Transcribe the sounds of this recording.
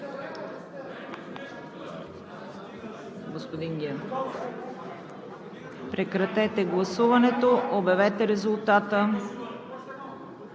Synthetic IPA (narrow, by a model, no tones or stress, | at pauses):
ɡospod̪iŋɡʲɛn | pɾɛkɾɐt̪ɛt̪ɛɡlˠɐsuvɐnɛt̪oobɛvɛt̪ɛɾɛzulˠt̪at̪ə